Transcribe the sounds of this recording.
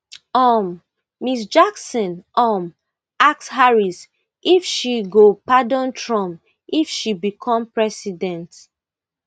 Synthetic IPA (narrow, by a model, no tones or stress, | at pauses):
ɔmː | isd͡ʒaksɔ̃nʔɔm | ak̚shaɹis | ʔifʃiɡopadɔ̃ntʰɹɔ̃mp | ifʃibikʰɔ̃mpɹɛsidɛ̃nt